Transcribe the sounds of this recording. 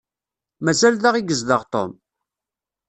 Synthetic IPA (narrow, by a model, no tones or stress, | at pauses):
mæzælðaʁiɡəzd̪əʁt̪ˤo̰m